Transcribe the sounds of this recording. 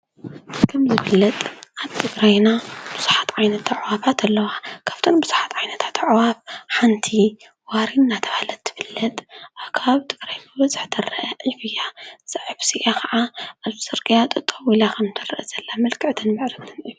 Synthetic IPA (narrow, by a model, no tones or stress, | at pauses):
kʰɐmzɨbɨlːɐt̪ʼʔaβt̪ʰɨɡɾajnab̥ɨz̥u̥ħat̪ʕajnɐt̪ːaʕwabat̪ʰɐlːɐwakʰḁβt̪ʰonbɨz̥uħḁt̪ʕajnɐt̪ʰḁt̪ʰʕwabħant̪ʰi | waɾinːat̪ʰɐβhalɐt̪ʰːɨ̥fɨlːɐt̪ʼkʰaβt̪ʰɨɡ̥ɾajnabɐzɨħt̪ʰɐrɐʔɐʕifɨjasɐʕβsiʔakʰɐʕaʔaβzɨsʼɨɾkʼijat̪ʼɨt̪ʼɐwilakʰɐmt̪ʰɐɾɐʔɐz̥ɐlːamɐlkʰɨʕt̪ʰɨnmɨʕɾɨt̪ʰɨnʕif